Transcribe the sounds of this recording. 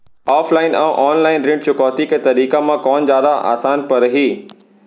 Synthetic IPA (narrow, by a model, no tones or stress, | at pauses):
aːflaːɪnɛ̃ʔɔːnlaːɪnɾɪ̃ɳɖt͡ɕʊkɔːt̪ikʰet̪ɐɾiːkamãkɔːnzjaːd̪aʔa̰ːsaːnpɐɾɐɦiː